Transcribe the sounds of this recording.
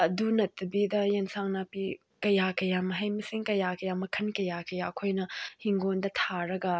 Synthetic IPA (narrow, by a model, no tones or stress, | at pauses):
ɐdunɐtʰːɐbidɐjensaŋnapi | kɐjakɐjamɐɦɐjmɐsiŋkɐjakɐjamɐkʰɐnkɐjakɐjaɐkʰojnɐhiŋɡondɐt̪ʰaɾɐɡɐ